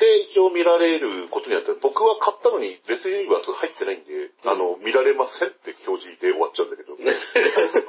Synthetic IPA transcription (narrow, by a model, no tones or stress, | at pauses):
d̪̥e̞it͡ɕioːmʲiɾaɾe̞ɾɯ̟ko̞t̪o̞ɲ̟inat̪ːabo̞kɯ̟βakʰat̪ːano̞ɲ̟ibe̞t͡sɨɲʲiɲiβasɨhait̪ːe̞naĩnd̪e̞ano̞mʲiɾaɾe̞masẽ̞nt̪e̞ço̞ːʑid̪eo̞βat͡ɕːaɯ̟̃nd̪ake̞d̪o̞os